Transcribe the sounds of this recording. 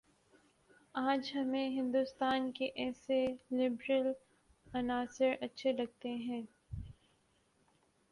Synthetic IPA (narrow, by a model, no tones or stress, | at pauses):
aːd͡ʒɦɐmẽɦɪ̃nd̪ʊst̪aːnkeʔɛːselɪbɾəl | ɐnaːsɪɾɐtːʃʰelɐɡ̚t̪eɦɛ̃ː